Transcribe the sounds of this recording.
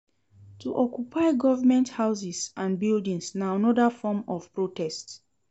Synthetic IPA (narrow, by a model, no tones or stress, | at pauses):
tʰuʔɔkjupʰaɪɡɔvəmɛ̃nthaʊs̬isãnbildĩŋsnaãnɔdafɔmɔv̥pɹotʰɛsts